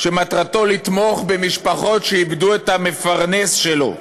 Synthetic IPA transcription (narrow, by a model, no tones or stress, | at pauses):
ʃemat̪ʁat̪o̞lit̪mo̞χbe̞miʃpaχo̞tʃeibd̪uet̪ame̞faʁnesʃelo̞̰